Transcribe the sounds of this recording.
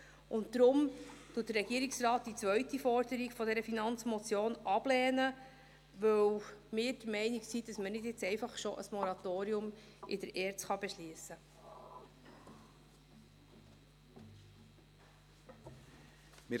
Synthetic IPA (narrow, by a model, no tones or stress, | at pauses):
ʔʊntdɾʊmt̪uːtd̥ərɾɛɡiəɾɪksrɑːt̚d̥it͡sʋœɥtifɔɾdəɾiɡfɔdɛɾəfinɑnt͡smɔt͡sjoːnɑb̥lɛːnə | ʋɵwmɪːɾd̥əɾmɛɪniksid̥ɑsmənɪdjɪt͡sɛɪfɑχʃoʔə̰smɔɾɑtoːɾiʊm | ɪdəɾʔɛːɾtsχɑb̥eʃliəsə | mɪ